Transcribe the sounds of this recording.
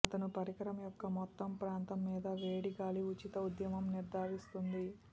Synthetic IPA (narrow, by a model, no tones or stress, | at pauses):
ɐt̪ɐnupɐɾikɐɾɐmjɔkːɐmɔt̪ːɐmpɾaːnt̪ɐmːiːd̪ɐʋeːɽiɡaːliut͡ʃit̪ɐud̪jɐmɐmniɾd̪ʱaːʋist̪und̪i